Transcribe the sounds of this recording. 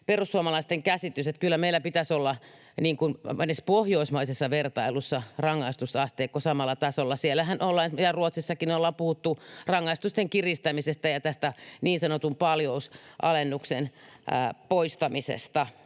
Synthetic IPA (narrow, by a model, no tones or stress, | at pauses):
perusːuomɑlɑist̪eŋkæsit̪yset̪kylːæmeilːˑæpit̪æsolːɑ | niːŋkunænespohjoismɑisesːɑʋert̪ɑilusːɑrɑŋːɑist̪usɑst̪eːkkosɑmɑlːɑt̪ɑsolːɑsielːæhænʔolːɑnjɑruot̪sisːɑkinolːɑpuhut̪ːurɑŋːɑist̪ust̪eŋkirist̪æmisest̪æjɑt̪æst̪æniːnsɑnot̪umpɑljousʔɑ̰lenːuksenː | poist̪ɑmisḛst̪ɑ